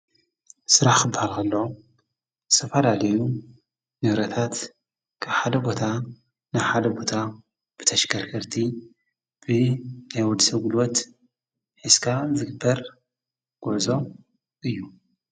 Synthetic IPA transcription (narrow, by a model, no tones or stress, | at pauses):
sɨɾaħkɨbːahalkɐlːɐo | zɨ̥t̪ʰɐfɐlalɐju | nɨhɾɐt̪ʰat̪ | kʰaβħad̪ɐbo̞t̪ʰa | najħad̪ɐbo̞t̪ʰa | b̥ɨt̪ʰɐʃkʰɐɾkɐɾt̪ʰi | b̥ɨnajwɔd̪isɐɡɨlwɔt̪ | ħɨskʰazɨɡɨbːɐɾ | ɡ̥uʕzo̞ | ʔɨjːu